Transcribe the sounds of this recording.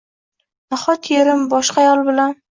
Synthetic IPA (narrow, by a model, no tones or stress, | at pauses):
naχɒt̪ʰjeɾɪmbɒʃqajɒlˠbɪlan